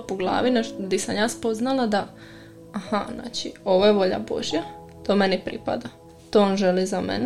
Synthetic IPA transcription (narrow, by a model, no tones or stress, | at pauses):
poɡlˠa̰ːʋined̪isamjaːspo̞znalad̪aː | hazna̰ːt͡ʃio̞ʋojeʋo̞ʎa̰bo̞̰ʒja | t̪oːmenipɾḭpa̰d̪a | t̪oːonʒelizamḛn